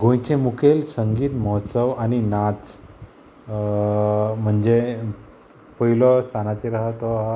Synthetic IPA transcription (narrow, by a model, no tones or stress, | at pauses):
ɡʱõjt͡ɕemukʰelsəŋɡiːt̪mɔɦt̪səʋaninat͡s | m̤əɳd͡ʑe | pəilɔst̪ʰanat͡ɕeɾaɦət̪ɔɦa